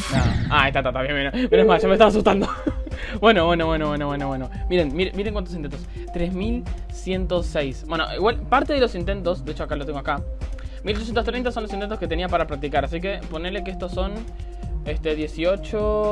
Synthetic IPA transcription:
naaest̪at̪at̪aβjembenobenemasʒamest̪aβasust̪and̪obwe̞noβwe̞noβwe̞noβwe̞noβwe̞noβwenomiɾe̞nmiɾemiɾeŋkwanosinent̪os | t̪ɾe̞zmil | sje̞nt̪osːejsbweno̰ʔḭɣwalpaɾt̪e̞ð̞e̞losint̪e̞nt̪o̞sd̪e̞et͡ʃoakalot̪eŋɡoakamiloos̬jenost̪ɾejnt̪aso̞nlosine̞nt̪oske̞t̪e̞niapaɾapɾak̚t̪ikaɾasike̞ponele̞keest̪oso̞n | est̪e̞ðje̞sio̞t͡ʃo

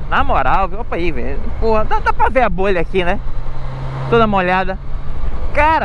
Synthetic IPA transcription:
namoɾawviwapaivḛʎpohɐd̪ɐ̃w̃d̪apɾɐveaboʎɐakinɛ | t̪od̪ɐũmɐoʎad̪ɐ | kaɾɐ

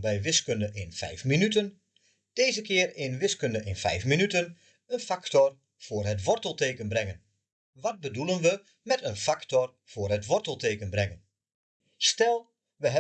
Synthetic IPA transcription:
bɛjʋɪskəndəʔɪnfɛ̰jfminytən | d̥eːzəkɪərɪnʋɪskəndəʔɪnfɛ̰jfminytən | ənfaktɔr | v̥ʊːrɦətʋɔrtəlˠteːkənbrɛŋən | ʋɔt̚bədulˠənʋə | mɛtənfaktɔr | v̥ʊːərɦətʋɔrtəlˠteːkənbrɛŋən | stɛlˠ | ʋəɦɛ

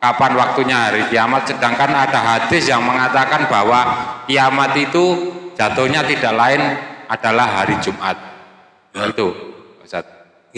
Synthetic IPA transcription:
kapanwak̚t̪uɲaɦaɾikijamat̪̚sədaŋkanad̥aɦad̪̥ɪsjaŋməŋat̪akanbawakijamat̪it̪u̥d͡ʒ̥a̤t̪oɲat̪id̥aʔlaɪnaɖ̥alahɦaɾid͡ʒumʔat̪̚ | it̪ubasat̪̚

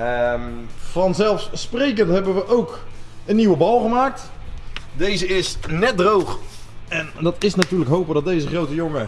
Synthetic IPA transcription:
əmfɑnzɛlˠfssprejk̬əntɦɛbənʋəʔowkənːiwəbɑlˠχəmaːk̚t | dejzəɪsnɛt̚drowχɛndɑtɪsnatyːrləkɦowpədɔtdejzəχrowtəjʊŋə

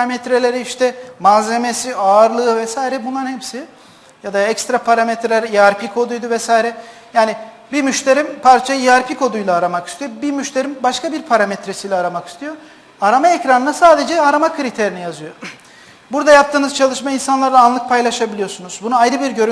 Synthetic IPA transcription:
amɛt̪ɾe̞lʲe̞ɾiiʃt̪ʰɛmaze̞mesiaɾlˠɯːvɛsaːjiɾɛbunlˠanhɛpsi | jad̪aɛcst̪ɾapʰaɾamɛt̪ɾelʲɛɾiaɾpikʰo̞d̪ujd̪uvɛsaːjiɾɛjaːniɪ | bimyʃt̪ʰe̞ɾimpʰaɾt͡ʃʰajiaɾpʰikʰo̞d̪ujlˠaːɾamaki̥st̪ʰijobimyʃt̪ʰe̞ɾimbaʃkabiɾpʰaɾamet̪ɾesijlʲɛaɾamaki̥st̪ʰijo̞ | aɾamaecɾanɯnasaːd̪e̞d͡ʒɛaɾamakʰɯɾit̪ʰeɾinijazɯjo̞ | buɾd̪ajap̚t̪ɯːnɯzt͡ʃʰalˠɯʃmainsanlˠaɾaːnlˠɯk̚pʰajlˠaʃabilʲijo̞sunuzbunuajɾɯbiɾɟø̞ɾy

